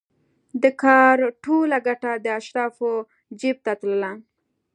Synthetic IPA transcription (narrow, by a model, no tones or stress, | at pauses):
d̪əkʰɑɾʈolaɡaʈad̪əaʃɾɑfo | d͡ʒeb̚t̪at̪ləla